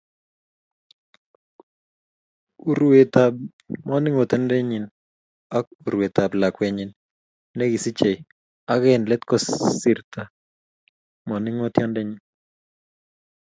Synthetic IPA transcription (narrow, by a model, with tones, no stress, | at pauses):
u˨ɾwe˨t̪a˨b | mɔ˦nɪ˦ŋo˨t̪ɛ˦ndɛ˦ɲi˨n | a˦k̚u˨ɾwe˨t̪a˨bla˨kwɛ˨ɲɪ˨nː | ɛ˦ɡi˨si˦t͡ʃe˨j | a˦ɣɛ˦nlɛ˦t̪kɔ˦ssi˨ɾt̪a˨ | mɔ˨nɪ˦ŋo˦t̪jɔ˦ndɛ˦ɲi˨n